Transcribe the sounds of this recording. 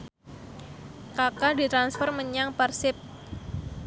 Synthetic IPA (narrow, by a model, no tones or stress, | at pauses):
kakadit̪ɾansfɔrməɲaŋpərsɪp̚